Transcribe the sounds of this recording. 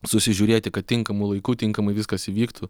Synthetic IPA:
sʊsʲɪʒʲuːɾʲeːt̪ʲɪkɐt̪̚ʲtʲɪŋkɐmʊlˠɐɪkuːt̪ʲɪŋkɐmɐɪʋʲɪskɐsiʋʲiːkt̪ʊ

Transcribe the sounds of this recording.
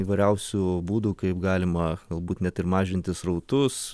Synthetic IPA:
iːʋɐɪɾʲɛʊsʲuːbuːd̪uːkɐɪpɡɑːlʲɪmɐɡ̥ɐlˠbuːt̪nʲɛt̪ɪɾmɑːʒʲɪnʲt̪ʲɪsɾɐʊt̪ʊs

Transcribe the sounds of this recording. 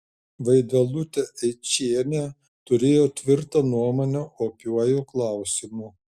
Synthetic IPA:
ʋɐɪd̪ʋɐlˠʊt̪ʲɛɛɪt͡ʃʲiɛnʲe | t̪ʊɾʲeːjoːt̪ʲʋʲɪɾt̪ɐnuɔmoːnʲɛʔoːpʲuɔjuːklˠɑˑʊsʲɪmuː

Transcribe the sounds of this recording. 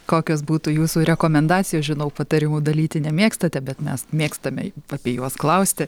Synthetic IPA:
koːkʲoːsbuːt̪uːjuːsuːɾʲɛkoːmʲɛnd̪ɑːt͡sʲsʲɪjoːsʒʲɪnɐʊpɐt̪ɐɾʲɪmuːd̪ɐlʲiːt̪ʲɪnʲɛmʲeːkst̪ɐt̪ʲɛbʲɛt̪mʲɛsmʲeːkst̪ɐmʲɛ̰ɐpʲiɛjuɔsklˠɐʊsʲt̪ʲɪ

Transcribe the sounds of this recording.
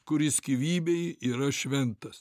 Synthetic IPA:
kʊɾʲɪsʲkʲiʋʲiːbʲɛɪiːɾɐʃʲʋʲɛnt̪ɐs

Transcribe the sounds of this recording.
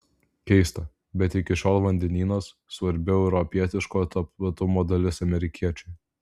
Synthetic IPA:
kʲɛɪst̪ɐ | bʲɛt̪ɪkʲɪʃʲoːlˠʋɐnʲd̪ʲɛnʲiːnosːʋɐɾʲbʲɛʊɛʊɾɔpʲiɛt̪ʲɪʃkoːt̪ɐplˠɐt̪ʊmoːd̪ɐlʲɪsɐmʲɛɾʲɪkʲʰiɛt͡ʃʲɛɪ

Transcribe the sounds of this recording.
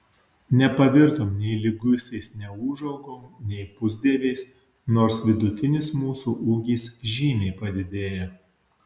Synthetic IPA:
nʲɛpɐʋʲɪɾt̪oːmnʲɛɪlʲɪɡʊsʲɛɪsnʲɛuːʒɐʊɡoːmnʲɛɪpʊzʲd̪ʲiɛʋʲɛɪs | noːɾsʋʲɪd̪ʊt̪ʲɪnʲɪsmuːsuːʔuːɡʲiːsʒʲiːmʲɛɪpɐd̪ʲɪd̪ʲeːjɛ

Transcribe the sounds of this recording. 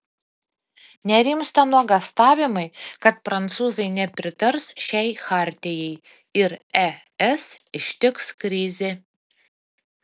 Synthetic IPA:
nʲɛɾʲimst̪ɐnuɔɡɐst̪ɑːʋʲɪmɐɪkɐt̪̚pɾɐnt̪suːzɐɪnʲɛpʲɾʲɪt̪ɐɾsʃʲɛɪxɑːˑɾʲt̪ʲɪjɛɪ | ɪɾɛ | ɛsɪʃʲt̪ʲɪkskɾʲɪzʲɪ

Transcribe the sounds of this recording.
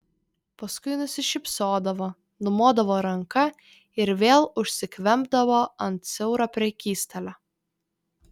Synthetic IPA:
pɐskʊɪnʊsʲɪʃʲɪpsoːd̪ɐʋoː | nʊmoːd̪ɐʋoːɾɐŋkɐ | ɪɾʋʲeːlˠʊʃʲsʲɪkʋʲɛmbd̪ɐʋoːɐnt̪̚sʲɛʊɾɐpʲɾʲɛkʲiːst̪ɐlʲo

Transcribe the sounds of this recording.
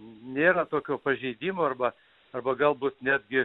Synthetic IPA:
nʲeːɾɐt̪oːkʲoːpɐʒʲɛɪd̪ʲiːmoːɐrbɐ | ɐrbɐɡɐlˠbuːt̪nʲæːd̪ʲɡʲɪ

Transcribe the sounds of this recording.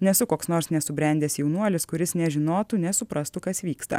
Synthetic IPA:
nʲɛsʊkoːksnoːɾsnʲɛsʊbʲɾʲɛnʲd̪ʲeːsjɛʊnuɔlʲɪskʊɾʲɪsnʲɛʒʲɪnoːt̪uːnʲɛsʊpɾɐst̪ʊkɐsʋʲiːkst̪ɐ̰

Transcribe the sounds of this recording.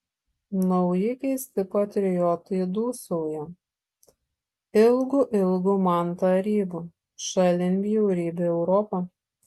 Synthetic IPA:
nɐʊjɪkʲɛɪsʲt̪ʲɪpɐt̪ʲɾʲɪjɔt̪ɐd̪uːsoːjɛ | ɪlˠɡuːʔɪlˠɡuːmɐˑnt̪ɐɾʲiːbu | ʃɐlʲɪnʲbʲijɛʊɾʲiːbʲeɛʊɾɔpɐ

